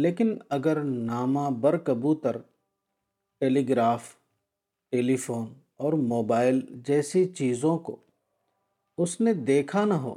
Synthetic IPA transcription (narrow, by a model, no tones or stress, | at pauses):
leːkɪnɐɡəɾnaːmãbɐɾkɐbut̪ɐɾ | ʈeːliːɡɾaːf | ʈeːlifoːn | ɔːɾmoːbaːɪld͡ʒɛːsit͡ʃiːzõko̰ | ʊsned̪eːkʰanɐɦo̰ː